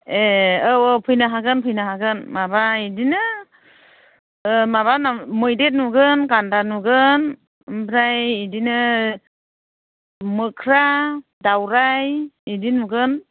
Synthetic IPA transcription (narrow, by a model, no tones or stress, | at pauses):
eowpʰɯjnaɦaɡɯnpʰɯjnaɦaɡɯnmabaidinɯ | maβanamɯjdet̚nuɡɯnɡandanuɡɯn | mpʰɾajidinɯ | mɯkʰɾa | dawɾajidinuɡɯn